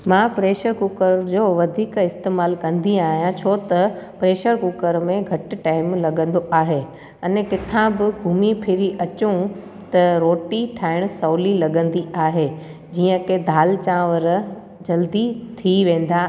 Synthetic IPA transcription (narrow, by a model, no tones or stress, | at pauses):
mãːpɾeːʃəɾkʊkəɾd͡ʑoːʋɐd̪ʱiːkɪst̪eːmaːlkɐ̃nd̪iaːɦijãt͡ɕʰoːt̪ɐpɾeːʃəɾkʊkəɾmẽɡʱɐʈ̆ʈaːɪmlɐɠə̃nd̪oʔaːɦe | ɐnkɪt̪ʰãbɪɡʱuːmipʰɪɾiʔɐt͡ɕũ | t̪ɐɾoːʈiʈʰaːɪɽ̃sɐːlilɐɠə̃nd̪iʔaːɦe | d͡ʑiːə̃kʰed̪ʱaːlt͡ɕãːʋəɾ | d͡ʑɐld̪it̪ʰiʋẽːn̆d̪a